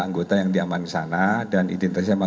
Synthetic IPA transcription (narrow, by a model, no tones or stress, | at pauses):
aŋɡot̪ajaŋdiamansanadanʔḭt̪uint̪ɛsama